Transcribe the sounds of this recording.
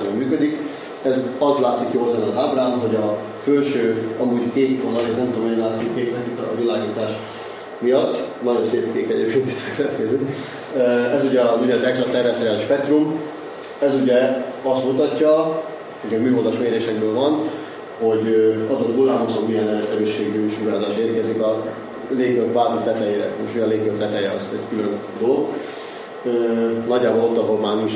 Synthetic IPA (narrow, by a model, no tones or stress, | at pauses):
nommyːkød̪ik | ɛzɒzlaːt̪sikjoːlzɛnɒzaːbraːmɦo̞ɟɒ | følʃøːɒmuːɟkeːt̪fod̪ɒɛnɛmt̪omɛjɛnlaːt̪sikkeːk̪mɛt̪it̪ːvilaːɡiːt̪aːʃ | mijɒt̪ːnɒjo̞nseːpkeːkɛɟḛːp̚kʰʲeːnt̪i̥t̪ølɛt̪kɛzy | ɛzuɟɛuɟɛt̪ɛkslɒt̪ɛrɛst̪reaːliʃpɛk̚t̪rum | ɛzuɟɛɒst̪mut̪ɒcːɒ | hoɟɒmyːɦozɒʃmeːɾeːʃɛk̚bøːlvɒn | ho̞ɟɒzot̪ɡulaːmosommijɛnɛɾɛst̪ɛɾøːʃːeːɡɲuːʃuaːzaːʃeːrkɛzikɒ | leːkøkbaːzit̪ɛt̪ɛjeːɾɛ̰eʃiɒnleːkøkt̪ɛt̪ɛjɛɒzt̪ɛɟkylønd̪oloɡ | ønɒɟːaːbolo̞t̪ːɒɦolmaːrniʃ